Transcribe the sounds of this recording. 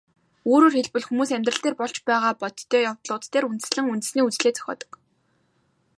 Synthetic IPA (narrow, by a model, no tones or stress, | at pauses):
oːɾoːrxeɮpɘ̆ɮxumuːsæmʲt̪rə̆ɬt̪eːrpɔɮt͡ɕpæːʁaːpɔt̪ʰːœːjawt̪ɮʊːt̪t̪ːeːɾunt̪̆sɮɘ̆ŋunt̪ɘ̆sniːut͡sɮeːt͡sʰœ̥xʲɔ̰ːt̪ə̥̆k